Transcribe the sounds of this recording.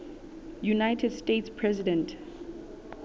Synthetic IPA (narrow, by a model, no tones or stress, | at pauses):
junajtʰɛdstetspʰɹɛzidɛ̃nt